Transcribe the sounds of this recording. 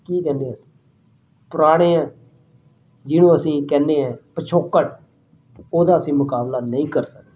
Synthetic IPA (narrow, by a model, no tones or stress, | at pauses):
kiːkɛ̃ːnd̪eəsĩ̥ | pəɾaːɽ̃eːãː | d͡ʒɪnũːəsĩːkɛ̃ːnd̪eːɛ̃ːpət͡ʃʰoːkːəʈ | oːd̪aːəsĩːmʊkaːblaːnəĩːkəɾsək̚d̪a